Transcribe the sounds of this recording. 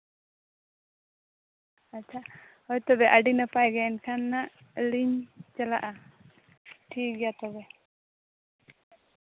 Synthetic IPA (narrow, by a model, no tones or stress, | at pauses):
ɐːt͡ʃʰahɔjt̪ɔbɛʔaɖinapajɡankʰanːaliɲt͡ʃɐlaʔa | ʈʰiːk̚ɡat̪ɔbɛ